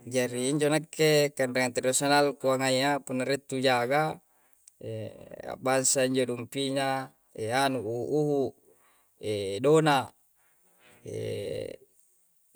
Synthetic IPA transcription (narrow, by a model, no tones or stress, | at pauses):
d͡ʒaɾiːɲd͡ʒonakːekanɾeŋant̪edosonalkuaŋaiapunːaɾet̪ːud͡ʒaɡa | ḛa̰bansaiɲd͡ʒodumpiɲa | eanuːhuʔːɦu | edona | ḛ